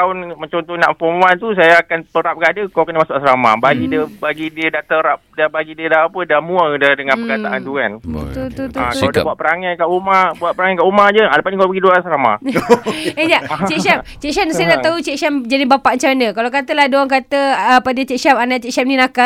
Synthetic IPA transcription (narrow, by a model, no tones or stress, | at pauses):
aʊnməɲt͡ʃɔnt̪ɔna̰ʔəfɔmuant̪us̬ajaːkanpəɾap̚kaadəkakənəmasʊʔksɾama̰baɡidəbaɡidiədat̪əɾap̚dabaɡidiədaapədamũədadəŋanpəɡat̪aʔant̪ukanut̪ut̪ut̪akaadabaʔ̚pəɾaŋankaʔumabuat̪̚pəɾaŋakaʔumad͡ʒəalapaʔnikabəɡiduasəɾama̰ | ed͡ʒat͡ʃɛʔsamt͡ʃɛʔkʃansajanaʔt̪aut͡ʃɛksamd͡ʒadibapaʔəɲt͡ʃamanə̃kalakat̪əlahdoaŋk̬at̪əəpadət͡ʃɛkʃamanaʔt͡ʃɛksam̚nĩnaka